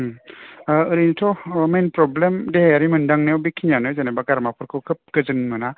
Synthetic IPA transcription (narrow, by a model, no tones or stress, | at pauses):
ɯɾintʰɔmenpɾɔblemdeaɾimɯndaŋnewbikʰːinjanɯzenajbaɡaɾmapʰɯɾkʰɯwkʰɯp̚ɡ̥ɯzɯnmɯna